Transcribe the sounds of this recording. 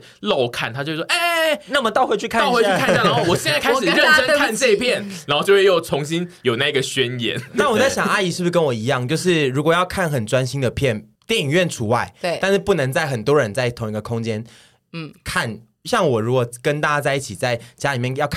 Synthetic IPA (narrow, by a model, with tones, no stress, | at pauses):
lo˨˩ʊkʰa˨˩nt̪ʰa˥t͡ɕjo˥˧ʊ˥˩˥e˥˩na˥˩mə˩t̪ɑ˥˧ʊxwe˥ɪt͡ɕʰy˥˧kʰa˥˨xwe˥y˥kʰa˥˧˩a˥˨˥wɔ˨˩ɕjɛ˥˧˥nt͡sa˥˧kʰa˥ɪʂ̩˨˥˧ɻə˥˨nə˥ŋ˥kʰa˥˧nʈ͡ʂɤ˥˧i˥pʰjɛ˥˨nna˧˦nxo˥˩t͡ɕjo˥˧ʊwe˥˧jo˥˩ʊt͡sʰʊ˧˦˥ŋɕi˦˥njo˨ʊna˥˧i˧˥ɡə˨˩ɕɥɛ˦njɛ̰˧˥nna˥˩wɔ˨˩t͡sa˥˩ɕjɑ˨˩ŋa˥˧ɪi˧˩ʂɻ̩˥˩u˥˧kə˦nwɔ˨˩i˧˥jɑ˥˧ŋt͡ɕjo˥˧ʊʂɻ̩˥˩ɻu˧˥kwɔ˨˩jɑ˥˧ʊkʰa˥˩nxə˨˩nʈ͡ʂwa˦nɕi˥nd̪ə˨pʰjɛ˥˩n | t̪jɛ˥˩i˨˩ŋɥɛ˥˩nʈ͡ʂʰu˧˥wa˥˩ɪ˧˩a˥˧nʂɻ̩˥˧pu˥˩nɤ˧˥ŋt͡sa˥˩ɪxə˨˩nt̪wɔ˦˥ɻə˧˦nt͡sa˥˩ɪt̪ʰʊ˧˥ŋi˧˥ɡə˨kʰʊ˥ŋt͡ɕjɛ˦˥n | kʰa˥˩n | ɕjɑ˥˩ŋwɔ˨˩ɻu˧˥kwɔ˨˩kə˥˦nt̪a˥˩t͡ɕja˥t͡sa˥˧ɪi˥˩t͡ɕʰi˨˩t͡sa˥˩ɪt͡ɕja˥li˨˩mjɛ˥˩njɑ˥˧ʊkʰ